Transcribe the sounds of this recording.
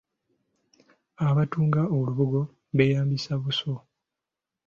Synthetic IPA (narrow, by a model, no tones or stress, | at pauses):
aβatuːŋɡaoluβuɡo̞ | βe̞jaːmbisaβuso